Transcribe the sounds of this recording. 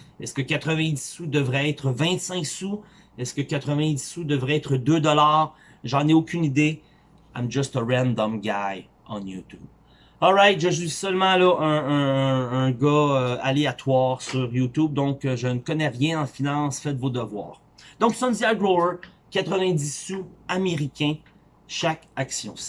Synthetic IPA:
ɛskəkat̪χəvɛ̃d̪isud̪əvʁɛɛt̪χəvɛ̃t̪sɛ̃ksu | ɛskəkʲat̪χəvɛ̃d̪isud̪əvʁɛɛt̪χəd̪øːd̪ɔlaːʁ | ʒɑ̃neokʲynid̪e | amʒɔst̪əɹɛ̃nd̪ɔmɡʲaj | ɑ̰̃jut̪ṵb | ɔlʁajt̪ʒəʒizsœlmɑ̃lɔʔə̃ː | ɡʌøaleat̪waːʁsyʁjut̪ub̚d̪ɔ̃kəʒənəkɔnɛʁjɛ̃ɑ̃finɑ̃sfɛt̪vod̪əvwa̰ːʁ | d̪ɔ̃ksɔ̃nd̪iaɡʁoə˞ | kʲat̪χəvɛ̃d̪issuameʁikʲɛ̃ | ʃakaksjɔ̰̃

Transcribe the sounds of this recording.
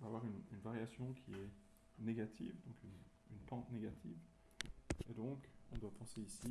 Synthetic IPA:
vaːvwaʁynynvaʁjasjɔ̃kʲʰiɛ | neɡat̪ʰḭvd̪ɔ̃kyn | ynpɑ̃t̪neɡat̪ʰiv | ed̪ɔ̃kɔ̰̃d̪wapɑ̃seisi

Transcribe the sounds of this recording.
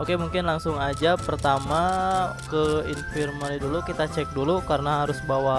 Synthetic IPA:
ʔokemuŋkɪnlaŋsʊŋad͡ʒapərt̪amakəinfirmalidulukit̪at͡ʃɛk̚dulukaɾənaɦaɾʊsbawa

